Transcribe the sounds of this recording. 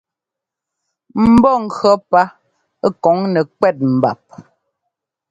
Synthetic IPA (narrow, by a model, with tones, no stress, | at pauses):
m̩˦bɔ˦˨ŋ̩˨ɡɰɔ˦pa˦ | kɔ˨˦ŋnɛ˨kwɛ˦˨t̚m̩˨ba̰˨p̚